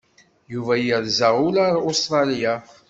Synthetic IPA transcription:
juvæjəɾzaʁʊlaɾost̪ɾˤɑlija

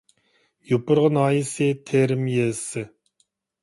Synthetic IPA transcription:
jupʊɾʁənɑːjisɪt̪ʰeɾɪmjesɨ

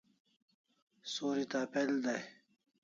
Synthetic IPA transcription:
soːɾit̪aːpeld̪aj

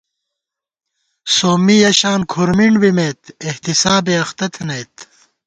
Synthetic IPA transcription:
soːmijɐɕaːnkʰuɾmiɳɖbimet̪eht̪isaːbeɐxt̪ɐt̪ʰenɐjt̪

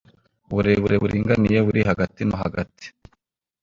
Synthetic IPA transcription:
βuɾeβuɾe̞βuɾiːŋɡanije̞βuɾiɦaɡatinoɦa̰ɡati̥

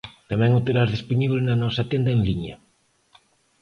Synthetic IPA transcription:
t̪amɛ̃ŋot̪eɾazðespuɲiβlɪnɐnɔsɐt̪end̪ɐeŋliɲɐ̰

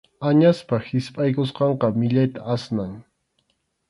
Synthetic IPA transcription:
aɲaspahɪspʼajkosqɑɴqɑmɪʎajt̪aasnaŋ

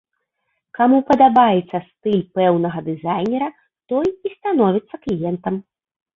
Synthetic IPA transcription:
kamupɐd̪abajɛt̪sːɐst̪ɨlʲpɛwnɐɣɐd̪ɨzajnʲɛɾɐ | t̪ɔjist̪an̪ɔvʲit̪sːɐklʲijɛnt̪ɐm

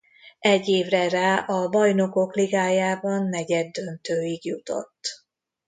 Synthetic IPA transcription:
ʔɛɟːeːvrɛraːʔɒbɒjno̞ko̞kliɡaːjaːbɒnːɛɟɛd̪ːø̞nt̪øːiɡjut̪o̞̰t̪ː

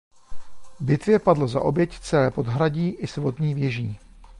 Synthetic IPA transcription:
bɪt̪vjɛpadloza̰ʔo̞bjɛct͡sɛlɛːpo̞d̪ɦɾaɟiːʔɪsvot̪ɲiːvjɛʒiː

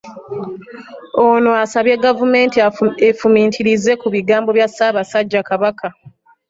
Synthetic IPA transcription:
ono̞asaβje̞ɡavume̞ːntefumiːntʰiɾize̞kuβiɡaːmbo̞βjasaːβasaɟːakaβaka

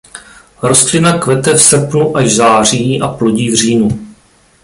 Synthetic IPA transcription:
ɾo̞st̪lɪnakvɛt̪ɛfsr̩pnuʔaʒzaːr̝iːʔaplo̞ɟiːvriːnu

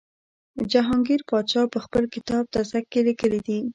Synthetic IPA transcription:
d͡ʒaɦɑŋɡiɾpɑt͡ʃɑpəxpəlkɪt̪ɑb̚t̪asakːelikəlid̪i

